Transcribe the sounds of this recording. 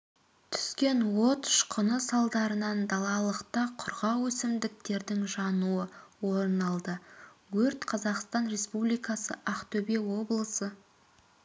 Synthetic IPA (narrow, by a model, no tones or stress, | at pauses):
t̪ʰʏ̥skʲe̞nwo̞t̪ʃqʰənəsɑlˠd̪ɑɾənɑnd̪ɑlˠɑlˠəqt̪ɑqʰʊɾʁɑwɵsɪmd̪ɪk̚t̪e̞ɾd̪ɪŋʒɑnuəwoɾənɑlˠd̪əɡɵɾt̪qʰɑzɑqst̪ɑnɾe̞spublijkɑsəʔɑqt̪ʰɵbewo̞blˠəsə